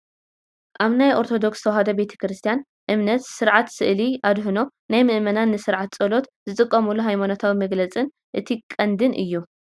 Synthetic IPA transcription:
ʔaβnajʔo̞ɾt̪ʰo̞d̪o̞kst̪ʰɐwhɐd̪ɐbe̞t̪ʰɐ̥kɾɨst̪ʰijan | ʔɨmnɐt̪sɨɾʕat̪sɨʔliʔad̪ɦɨno̞ | najmɨʔmɐnanːɨsɨɾʕat̪̚t͡sʼɐlo̞t̪zɨt̪ʼɨkʼːɐmulːuɦajmonot̪ʰawimɐɡlɐt͡sʼɨn | ʔɨt̪ʰikʼːɐnd̪ɨnʔɨ̰jːu

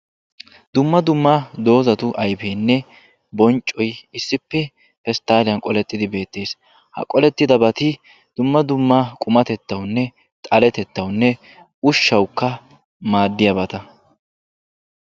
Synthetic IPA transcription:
d̪ʊmːɐd̪ʊmːad̪o̞ːzɐt̪ʊʔɐjfeːnːɛ | bɔnt͡ʃʼːɔjɪsːɪpːɛ | pɛst̪aːlɪjɐnkʼɔlɛt̪ːɪd̪ɪbe̞ːt̪ːe̞ːs | hɐ̰kʼɔlɛt̪ːɪd̪ɐbɐt̪ɪ | d̪̥ʊmːɐd̪ʊmːakʼʊmɐt̪ɛt̪ːɐwnːɛ | t̪ʼɐlɛt̪ɛt̪ːɐwnːɛ | ʊʃːɐwkːɐ | maːd̪ːɪjɐbɐt̪ɐ

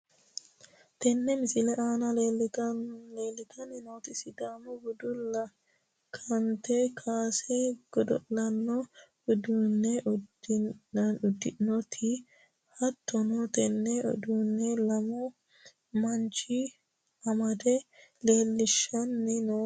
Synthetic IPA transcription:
t̪ɛnːɛmɪsɪlɛʔaːnɐlel | leːlːɪt̪ʰɐnɪnoːt̪ɪsɪd̪aːmɔɡɔd̪ʊlːɐ | kʰɐnt̪ɛkʰaːsɛɡ̥ɔd̪ɔ̰ʔlɐnːɔ | ɔd̪uːnːɛʔʊd | ʊd̪ːɪnɔt̪ʰɪ | hɐt̪ʰːɔnɔt̪ɛnːɛɔ̰d̪uːnːɛlɐmɔ | mɐnt͡ʃɪ | ɐmɐd̪ɛle̞ːlːɪʃːɐnːɪnoː

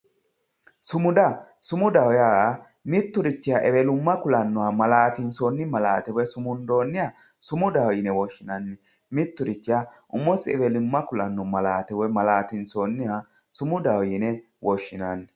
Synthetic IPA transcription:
sʊmʊd̪ɐsʊmʊd̪ɐwja | mɪt̪ːʊɾɪt͡ʃːɪjaʔɛwɛlʊmːɐkʊlɐnːɔwamɐlaːt̪ɪnsonːɪmɐlaːt̪ɛwɔsʊmʊnd̪o̞ːnːɪja | sʊmʊd̪ɐwjɪnɛwɔʃːɪnɐnːɛ | mɪt̪ːʊɾɪt͡ʃːɪjaʔʊmːɔsɪɛwɛlʊmːɐkʊlɐnːɔmɐlaːt̪ɛwɔjmɐlaːt̪ɪnsoːnːɪa | sʊmʊd̪ɐwjɪnɛ | wɔʃːɪnɐnːɛ

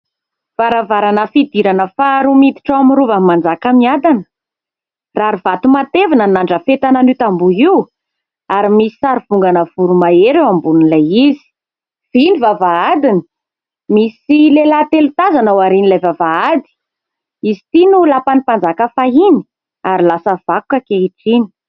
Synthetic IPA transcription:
v̥aɾavaɾanəfid̪iɾanəfaɾumit̪i̥ʈ͡ʂawamiɾuvamand͡zakamiad̪anə̥ | raɾivat̪umat̪evanənaɳɖ͡ʐəfet̪ananit̪ambuiw | aɾimisi̥saɾiv̥uŋɡanəv̥uɾumaeɾewambunilajizi̥ | v̥inivavaad̪inə̥ | misilelat̪elut̪azanawaɾinilajvavaad̪i̥ | izi̥t̪inulapanipand͡zakəfaini̥ | aɾilasəv̥aku̥kəkeiʈ͡ʂini̥

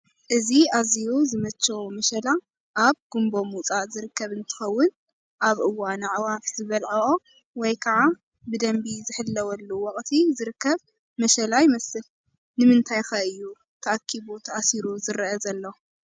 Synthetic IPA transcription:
ʔɨziazijuzɨmɐt͡ʃːɐmɐʃɐla | ʔaβɡ̥umbo̞mut͡sʼazɨɾɨkʰːɐβɨnt̪ʰɨ̥xɐwːʊn | ʔaβʔɨwanʕwafz̥ɨβɐlʕɐo | wɔjkʰɐʕa | bɨd̪ɐmbizɨħɨlːɐwɐlːuwɔkʼt̪ʰizɨɾɨkːɐβ | mɐʃɐlajmɐsɨl | nɨmɨnt̪ʰajxaɨjːu | t̪ʰɐʔakʰːiβut̪ʰɐʔasiɾuzɨɾʔɐzɐlːɐw

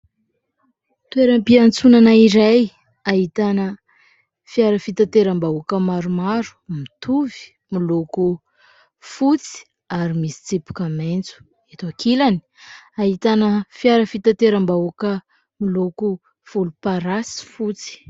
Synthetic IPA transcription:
t̪ueɾəmpiant͡sunanaiɾaj | aɦit̪anə | fiaɾəfit̪at̪eɾambaukəmaɾumaɾu̥mit̪uvi̥ | miloku | fut͡si̥ | aɾimisi̥t͡sipu̥kəment͡su̥ | et̪akʰilani̥ | aɦit̪anəfiaɾəfit̪at̪eɾambaukə | miloku | v̥ulupaɾasi̥fut͡si̥

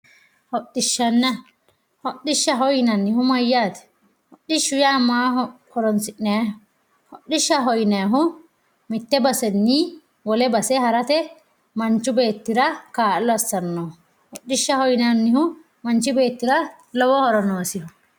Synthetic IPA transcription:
hɔɗːɪʃːɐnːɐ | hɔɗɪʃːɐɦɔjnɐnːɪhʊmɐjːaːt̪ɛ̥ | hɔɗːɪʃːʊjaːmaːɦhɔɾɔnsɪʔnɛjɐhʊ | hɔɗːɪʃːɐɦɔjnɐjɐɦʊ | mɪt̪ːɛbɐsɛnːiː | wɔlɛbɐsɛhɐɾɐt̪ɛ | mɐnt͡ʃːʊbe̞ːt̪ːɪɾɐkaːlːɔɐsːɐnːɔ | hɔɗːɪʃːɐhɔjnɐnːɪhʊ | mɐnt͡ʃːɪbe̞ːt̪ːɪɾɐ | lɔwɔhɔɾɔnoːsɪhʊ

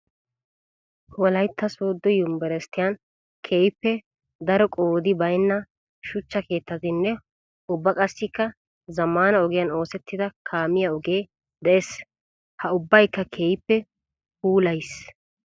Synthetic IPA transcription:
wɔlɐjt̪ːɐsoːd̪ːɔjʊmbɛɾɛst̪ɪjɐn | kʰeːjpːɛ | d̪ɐɾɔkʼoːd̪ɪbɐjnːɐ | ʃʊt͡ʃːɐke̞ːt̪ːɐt̪ɪnːɛ | ʊbːɐkʼɐsːɪkːɐ | zɐmːaːnɐɔɡɪjɐno̞ːsɛt̪ːɪd̪ɐkʰaːmɪjɐɔɡeː | d̪ɛʔes | hɐʊbːɐjkːɐkʰeːjpːɛ | huːlɐjs

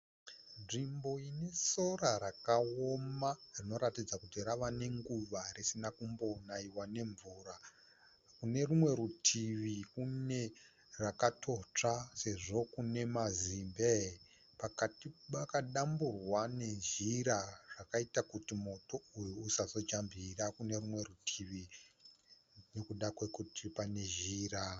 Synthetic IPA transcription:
nʐimbo̞ine̞soraɾakaomarino̞ɾatid͡zakutiraʋane̞ŋɡuʋarisinakumbo̞naiwane̞ɱvuːɾa | kune̞rumwe̞ɾutʰiʋikune̞ | rakatʰo̞t͡ʂase̞ʐo̞kune̞mazimbe | pakatipakaɗamburwane̞ʒiɾaʐ̥akaitakutimo̞to̞ujuːsazo̞t͡ʃambirakune̞rumwe̞rutʰiʋi | ne̞kuɗakwekutʰipane̞ʒiːɾa

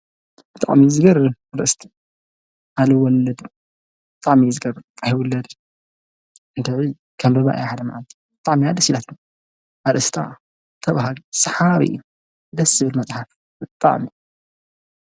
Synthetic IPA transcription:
b̥ɨt̪ʼa̰ʕmizɨɡɐɾɨaɾʔɨst̪ʰ | ʔalɐwɔlːɐd̪ | bɨt̪ʼaʕmizɨɡɐɾʔajwʊlːɐd̪ | ɨnd̪ɨʕzi | kʰɐmbɐβa̰ʔjaħad̪ɐmaʕalt̪ʰi̥bɨt̪ʼaʕmiad̪ɐsilat̪ʰn | ʔaɾʔɨst̪ʰa̰ | t̪ʰɐβaɦalsɐħaβḭ | d̪ɐsɨβɨlmɐt͡sʼħaf | bɨt̪ʼːa̰ʕmi

